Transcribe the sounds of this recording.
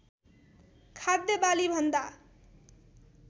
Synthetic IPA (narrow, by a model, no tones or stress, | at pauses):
kʰad̪jʌbalibʱʌnd̪a